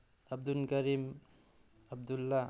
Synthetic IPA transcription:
ɐb̚d̪unkɐɾim | ɐb̚d̪ulːa

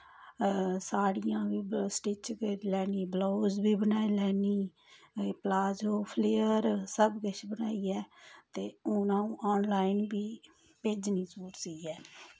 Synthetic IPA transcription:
saːɽijãːbiːsʈɪt͡ʃkəilɛːniːbloːzbiːbənaːiːlɛːniː | plaːd͡ʒoːpʰleːəɾsəbɡəʃbənaːiːɛːt̪eːʊnãːũːʔaːnlaːɪnbiː | peːd͡ʒnĩːsuːɾsiiɛː

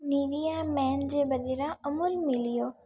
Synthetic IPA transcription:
niːʋijamɛːnd͡ʑeːbɐɗ̪eɾaɐmʊlmɪlijoː

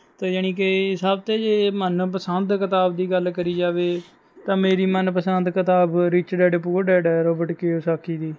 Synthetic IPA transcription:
t̪eːjaːñiːkeɪsaːb̚t̪eːd͡ʒeːmənpəsənd̪kɪt̪aːbd̪iːɡəlkəɾiːd͡ʒaːʋeː | t̪ãːmeːɾiːmənpəsənd̪kət̪aːbɾiːt͡ʃɖɛːɖp̬uːɖɛːɖɛːɾoːbəʈkeːosaːkʰiːd̪iː

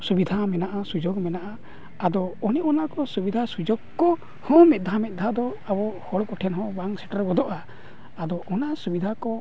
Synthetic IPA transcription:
subid̪ʱamɛnaʔasud͡ʒoɡmɛnaʔa | ad̪ɔːnɛʔɔnakɔsubid̪ʱasud͡ʒɔɡkɔ | hɔ̃mɛt̪̚d̪ʱamɛt̪̚ˀd̪ʱad̪ɔabɔhɔɽkɔʈʰɛnɦɔ̃baŋsɛʈaɾɡɔd̪ɔʔaː | d̪ɔʔɔnasubid̪ʱakɔ

